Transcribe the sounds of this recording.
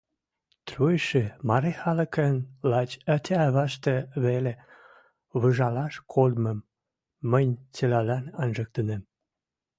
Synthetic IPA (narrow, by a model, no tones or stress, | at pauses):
t̪ruəʃemɑɾexɑləkənlɑt͡ɕɑt̪ʰʲæɑβɑʃt̪ĕβele | βəʒɑlɑʃkʰolməmː | ənʲt͡selɑlɑnɑnʒə̆k̚t̪ənəm